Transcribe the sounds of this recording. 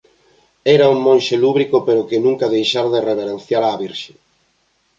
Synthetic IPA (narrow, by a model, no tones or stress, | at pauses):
ɛɾauŋmõnʃeluβɾikopeɾokɪnũŋkaðejʃaɾðereβeɾen̟θjaɾaːβiɾʃe̥